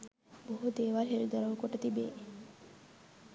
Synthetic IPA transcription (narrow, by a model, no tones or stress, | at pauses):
boɦud̪eːʋaɾɦeɾd̪əɾəʋkoʈɐt̪ibḛː